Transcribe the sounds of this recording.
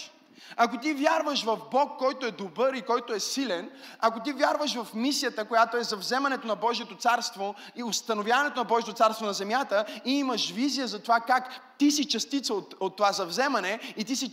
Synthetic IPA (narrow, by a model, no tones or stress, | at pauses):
ɐkot̪ivʲjaɾvəʃvɐvbɔkːɔjt̪oɛd̪obɤɾikɔjt̪oɛsilɛnɐkot̪ivʲjaɾvəʃvɐfmisijət̪əkojat̪oɛzɐvzɛmɐnɛt̪onɐbɔʒiɛt̪ot̪saɾst̪vo | iost̪ɐnovʲjavɐnɛt̪onɐbɔʒijət̪ot̪saɾst̪vonɐzɛmjat̪əiiməʃvizijəzɐt̪ovakakt̪isit͡ʃɐst̪it̪səot̪ot̪ːovazɐvzɛmɐnɛit̪isi